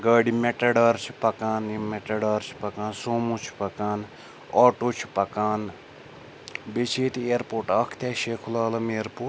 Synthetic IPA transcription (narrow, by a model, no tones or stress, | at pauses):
ɡaːɖimeʈɐɖaːɾt͡ʃʰipɐkaːnimeʈɐɖaːɾt͡ʃʰi̥pɐkaːnsoːmut͡ʃʰpɐkaːn | aːʈoːt͡ʃʰpɐkaːn | bet͡ʃʰeːt̪eːɾpoːʈaːkʰt̪eːʃeːkʰulaːlɐmeːɾpuːʈ